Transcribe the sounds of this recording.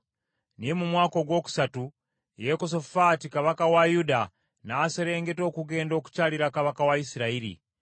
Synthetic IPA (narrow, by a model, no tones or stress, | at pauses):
nijemumwaːko̞ɡwo̞ːku̥satu | jekos̬ofatikaβakawajuda | naseɾe̞ːŋɡe̞to̞ːkuɡe̞ːndo̞ːku̥caːliɾakaβakawaisiɾaiɾḭ